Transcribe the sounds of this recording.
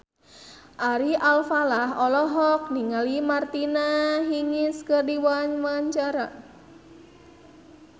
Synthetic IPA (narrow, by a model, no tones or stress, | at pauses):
ʔaɾiʔalfalaɦɔlɔɦɔk̚niŋalimart̪inaɦiŋɪskɨrdiwaɲwaɲt͡ʃaɾa